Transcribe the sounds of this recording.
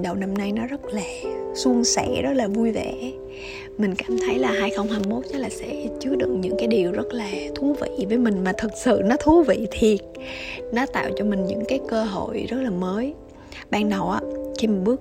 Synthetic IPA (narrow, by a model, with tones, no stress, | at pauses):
ɗə˨˩wna˧mna˧jnɔ˨˦zə˦˥t̚laː˨˩su˧əŋsɛ̰˧˥zə˦˥t̚laː˨˩vu˧jvɛ̰˧˩˨ | mï˨˩ŋ̟kaː˧˩mt̪ʰə˨˦jlaː˨˩haː˧jxə˧wŋ͡mhaː˧ŋmo˦˥t̚zə˨˦˥laː˨˩sɛ̰˧˥t͡ɕɨ˨˦əɗɨ̰˨˧˨ək̚ɲɨ̰˧˥ŋkaː˨˦jɗi˨˩əwzə˦˥t̚laː˨˩t̪ʰu˨˦vḭ˧˨vəː˨˦jmï˨˩ŋ̟maː˨˩t̪ʰɨ˨˩t̚sɨ̰˧˨nɔ˨˦t̪ʰu˨˦vḭ˧˨t̪ʰi˨˩ət̚nɔ˨˦t̪a̰ː˧˨wt͡ɕɔ˧mï˨˩ŋɲɨ̰˧˥ŋkaː˨˦jkəː˧ɦo̰˧˨jzə˦˥t̚laː˨˩məː˨˦j | ɓaː˧ŋna˨˩wʔaː˨˦xi˧ma˨˩ɓɨ˦˥ək̚